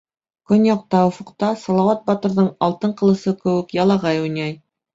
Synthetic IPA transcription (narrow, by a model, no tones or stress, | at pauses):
kɵnjɑq̚t̪ɑŏfŏqt̪ɑsɑlˠɑwɑt̪̚bɑt̪ɤ̆ɾðɤɴɑlˠt̪ɤɴqɤ̆lˠɤ̆sɤkɘ̆wɘkjɑlˠɑʁɑjujnʲɑj